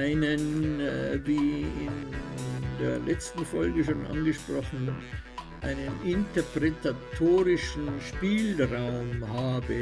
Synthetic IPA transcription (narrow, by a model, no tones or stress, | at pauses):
ʔaɪnən | viːɪ̰n | deːɐlɛt͡stn̩fɔlɡəʃoːnʔa̰nɡəʃpʁ̥ɔχn̩ | ʔaɪnənɪntəpʁɛtatʰoːʁɪʃn̩ʃpiːlʁaʊmhaːbə